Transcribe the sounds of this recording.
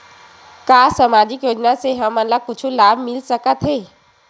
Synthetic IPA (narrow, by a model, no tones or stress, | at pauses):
kaːsɐmaːd͡ʒɪkjoːd͡ʒnaseɦɐmɐnlakʊt͡ʃʰulaːbmɪlsɐkət̪ɦeː